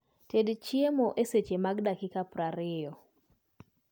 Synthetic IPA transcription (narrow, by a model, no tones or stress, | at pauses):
tedt͡ʃiemoʔeset͡ʃemaɡdakɪkapɾaɾɪjɔ